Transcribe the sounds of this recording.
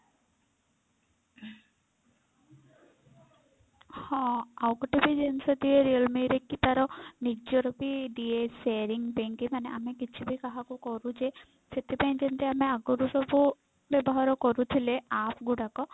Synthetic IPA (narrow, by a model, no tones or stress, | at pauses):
hɔ̃awkɔʈibid͡ʒensɔd̪ieɾiəlmiɾekːit̪aɾɔnid͡ʒɔɾɔpiɖieseɾiŋpenʈimaneʔa̰mekit͡ʃʰibʱikaɦakukɔɾud͡ʒe | set̪ipaĩnd͡ʒent̪eameaɡɔɾusɔbu | bɛbɔɦaɾɔkɔɾut̪ʰileapʰɡuɽakɔ